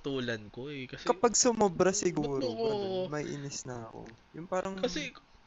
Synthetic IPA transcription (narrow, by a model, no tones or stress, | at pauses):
t̪uːlɐnkoʔɛkɐskɐpɐɡ̚sʊmobɾɐsɪɡuːɾoɐmɐʔɪ̰nɪsnɐɐko̰jʊŋpaːɾʔɐŋkɐsɛ